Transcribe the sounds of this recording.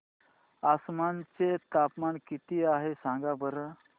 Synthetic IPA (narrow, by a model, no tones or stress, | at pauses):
asmant͡set̪apmaɳkit̪iːaɦesãŋɡabəɾə